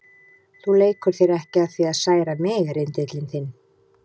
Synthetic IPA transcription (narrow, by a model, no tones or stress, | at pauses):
θuleːjkʏɾ̥θjeɾɛhcɪaðθviaðsaːjɾamɪːɣaɾɪnt̪ɪt̪lɪnθɪn